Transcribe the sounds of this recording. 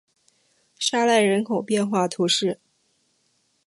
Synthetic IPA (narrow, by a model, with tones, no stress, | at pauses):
ʂa˥la˥˩ɪɻə˧˥nkʰo˨˩ʊpjɛ˥˧nxwa˥˩t̪ʰu˧˥ʂɻ̩˥˩